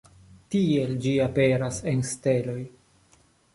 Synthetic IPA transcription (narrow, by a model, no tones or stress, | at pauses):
tie̞ld͡ʒiapeɾase̞nstelo̞j